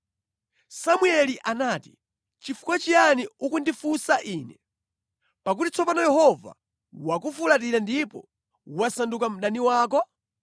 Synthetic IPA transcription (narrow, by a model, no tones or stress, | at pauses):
samuɛliʔanaːti̥ | t͡ʃifu̥kwat͡ʃianiukundifusaʔiːnɛ | pak̬utit͡sɔpanɔjɛhɔva̰ | wakufulat̬iɾandipɔ̰ | wasandukam̩ɗaniwaːk̬ɔ